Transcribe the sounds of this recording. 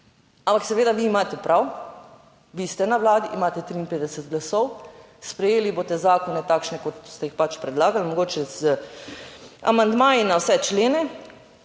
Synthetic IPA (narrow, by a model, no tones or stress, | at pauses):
ãmpaksɛʋeːd̪aʋiːmaːt̪ɛpɾaw | ʋist̪ɛnaʋlaːd̪iʔimaːt̪ɛt̪ɾiːnpeːd̪ɛsət̪ɡlasɔw | spɾɛjeːliboːt̪ɛzaːkɔnɛt̪aːkʃnɛkot̪st̪ɛjixpat͡ʃpɾɛd̪laːɡalmɔɡoːt͡ʃɛzə | a̰mand̪maːjinawsɛt͡ʃleːnɛ